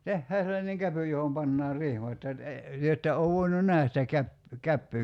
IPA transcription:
tehːæː selːɑneŋ kæpy johom pɑnːɑːr rihmɑt jɑ e tyø etːæ oʋ ʋoinun næhæs sitæ kæp kæpːyː

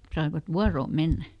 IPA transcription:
sɑiʋɑt ʋuɑroːm̆ menːæ

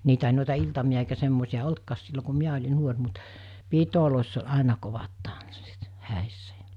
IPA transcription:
niːtæ ei noˑitɑ iltɑmiɑ eikæ semːoˑisiɑ oltkɑːs silːo ku̞ miæ olʲi nuor mut piːtoloˑisː olʲ ɑˑenɑ koʋɑt tɑnsːit hæˑisːæ j̊ɑ̟

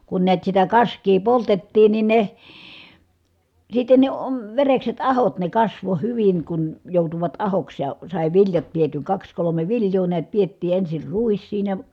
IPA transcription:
kun niæt sitæ kɑskˑiː poltetːiːn nin ne sitːen ne om ʋerekset ɑhot ne kɑsʋo hyʋiŋ kun joˑutuʋɑt ɑhoks jɑ sɑˑi ʋiljɑt pietyŋ kɑks kolome ʋiljˑoː niæt pietːiː ensir ruis siːnæ

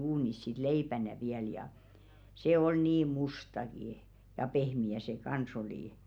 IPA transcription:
uːnis sit leipænæ ʋiæl jɑ se ol niːm mustɑki jɑ pehmiæ se kɑns oliˑ

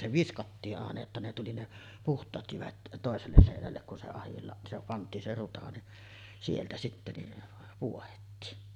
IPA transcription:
se ʋiskɑtːiːʔ ʔɑˑenɑ jotːɑ ne tuli ne puhtˑɑːt jyʋæt toˑeselːes seˑinælːek kun se ɑhilːɑʔ se pɑntˑiːn se rutɑ ni sieltæ sitːæ ni puohetːiːn

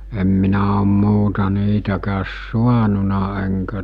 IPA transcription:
em minæ om muːtɑ niːtækæːs suɑnunɑ eŋkæ

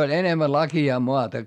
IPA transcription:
olʲ enemːæ lɑkiɑː moɑtɑ

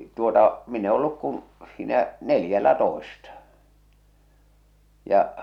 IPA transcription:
tuotɑ min e olːuk kun̞ siːnæ neljælːætoestɑ jɑʔ

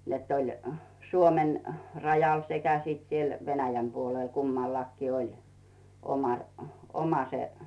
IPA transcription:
netː olʲ suomen rɑjɑl sekæ siːt siel ʋenæjæm puoleˑl kumːɑlːɑkːiː olʲ omɑ omɑ se

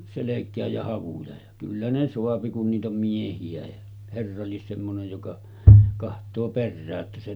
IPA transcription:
selekˑæːj jɑ hɑʋujɑ jɑ kylːæ ne soɑpi kun niːt om miehiæ jɑ herːɑ lies semːonej jokɑ kɑhtˑoː perːæːʔ ʔetːæ se

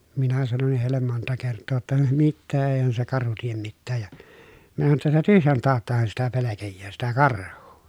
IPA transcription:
minæ sɑnonːih heˑilːem montɑ kertːoː tːɑ mitːeː eˑihæn se kɑrhu tiem mitːæːj jɑ minæ sɑno tːɑ sitæ tyhjæn tɑːtːɑhɑn sitæ pelekejːæː sitæ kɑrhˑuː

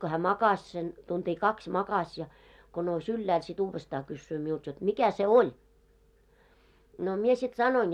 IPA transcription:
ko hæː mɑkɑs sen tuntʲiː kɑksʲ mɑkɑsʲ jɑ ko nous ylːæːl sit uːʋːestɑː kysːyː miult jot mikæ se ol no mie sit sɑnoin

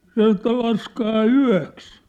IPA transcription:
sɑn̞ŏ etːæ lɑskɑː yæ̝ks

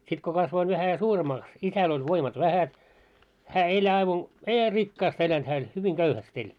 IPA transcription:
sit ko kɑsʋoin ʋæhæ suːremɑːks isæl olʲ ʋoimɑt ʋæhæt hæ elʲ ɑiʋɑn ei hæː rikːɑːst elænt hæː elʲ hyʋiŋ ɡ̊øuhæst elʲ

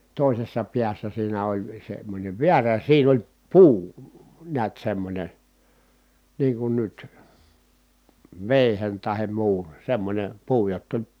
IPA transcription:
toˑisesːɑ piæsːæ siːnæ olʲ semːonʲeʋ ʋiæræ siːn olʲ puː niæt semːonʲe niːŋ kun nyt ʋeˑihen tɑhem muːn̞ semːonʲem puː jotː olʲ

